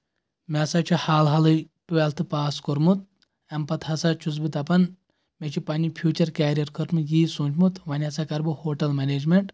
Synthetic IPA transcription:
mesat͡ʃʰihaːlɦɐlɨ | ʈuʋɛlt̪ʰɨpaːskoɾmut̪̚ | ɐmpɐt̪hɐsat͡ʃʰuz̬bit̪ɐpɐn | met͡ʃʰipɐnʲipʰjuːt͡ʃɐɾkɛːɾijɐɾkʰəɾt̪mɨjiːsuːnt͡ʃmut̪ʋɐnʲɐsaːkɐɾbɨhoːʈɐlmɛneːd͡ʒmeɳʈ

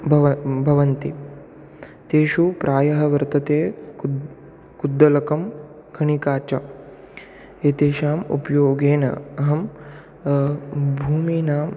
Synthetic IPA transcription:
bʱɐʋɐbʱɐʋɐnt̪i | t̪eːʃupɾʔaːjɐɦɐʋɐɾt̪ɐt̪eː | kud̪ːɐlɐkɐm | kʰɐɳikaːt͡ʃɐ | eːt̪eːʃaːmṵpjoːɡeːnɐ̰ɐɦɐm | bʱuːmiːnaːm

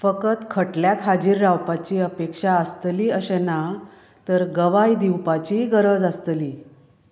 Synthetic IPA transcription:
fəkət̪kʰəʈljakɦad͡ʑiːɾːawpat͡ɕiːəpekʂaəst̪liːəɕena | t̪əɾɡəʋajd̪iwpat͡ɕiɡəɾəd͡zast̪liː

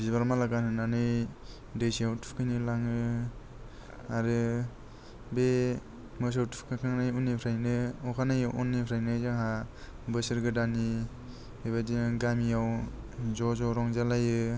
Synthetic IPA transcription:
bzibaɾmalaɡanhɯnanɯj | dɯjsiawtʰu̥kʰɯjnilaŋɯ | aɾɯ | be | mɯs̬awtʰu̥pʰkʰakʰaŋnajunːipʰɾajnɯɔkʰanajɯʔɔnːipʰɾajnɯzaŋɦa | bɯsɯɾɡɯdani | ebadiɡamiaw | zɔzɔɾɔŋzalajɯ

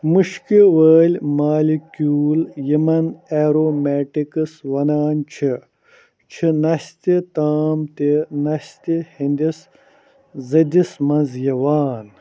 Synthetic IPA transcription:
muʃkiwəːlʲmaːlikjuːljimɐneːɾoːmeːʈikɐswɐnaːnt͡ʃʰi | t͡ʃʰinɐɕt̪it̪aːmt̪enɐɕt̪ihind̪is | zɐd̪ismɐnzjɐwaːn

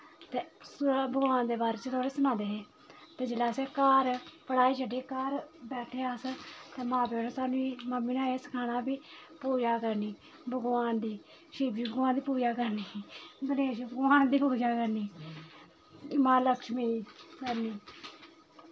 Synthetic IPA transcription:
t̪eːsbəɡʋaːnd̪eːbaːɾeːt͡ʃt̪ʰaːɽeːsənãːd̪eːɦeː | t̪eːd͡ʒeːlaːseːkaːɾpəɽaːiːt͡ʃəɖeːkaːɾbɛːʈʰeːast̪eːmãːpeːɽõːsaːnũːiːməmːiːnãːeːsə̥kʰaːnaːbiːpoːd͡ʒaːkəɾniː | bəɡʋaːnd̪iː | ʃiːbd͡ʒiːbəɡʋaːnd̪iːpoːd͡ʒaːkəɾniːd̪əneːʃbəɡʋaːnd̪iːpoːd͡ʒaːkəɾniː | mãːləkʃmiːkəɾniː

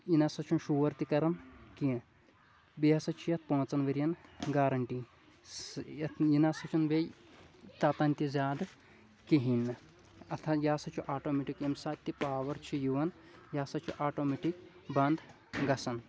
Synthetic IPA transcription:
inɐsɐt͡ʃʰunʃuʋɐɾt̪ikɐɾɐnkĩ | biɐsɐt͡ʃʰijɐt̪̚ʰpõːt͡sɐnʋɐɾjɐnɡaːɾɐɳʈi | ɐjinɐsɐt͡ʃʰunʋej | t̪aːt̪ɐnʲt̪ʲizʲaːd̪ | kiɦinː | ɐt̪ʰɐjaːsɐt͡ʃʰuʔaːʈoːmeʈikemsaːt̪ːipaːʋɐɾt͡ʃʰijuʋɐn | jaːsɐt͡ʃʰuʔaːʈoːmeʈik | bɐnd̪ | ɡɐsɐn

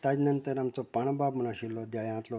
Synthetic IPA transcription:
t̪ad͡ʑnənt̪əɾamt͡sɔpaɳ̃babm̤ənãɕilːɔd̪jaɭɛãt̪lɔ

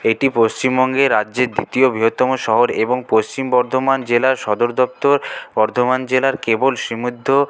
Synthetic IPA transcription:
eʈipost͡ɕimbɔŋɡeɾadːʑeɾd̪it̪iobɾiɦot̪ːɔmoʃɔɦoɾeboŋpost͡ɕimbɔɾd̪ʱomand͡ʑelaɾʃɔd̪oɾd̪ɔp̚t̪oɾbɔɾd̪ʱomand͡ʑelaɾkebolʃɾimud̪ʱːo

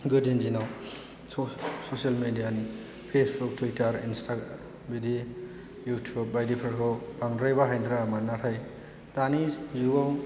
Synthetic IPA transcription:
ɡudind͡ʒinaw | sosialmedijani | pʰesbuk̚tʰwitʰaɾinstʰaɡ | bidi | jutʰjub̚ːajdipʰaɾkʰɔpaŋdɾajbaɦajnɾaːmanatʰaj | tanizuaw

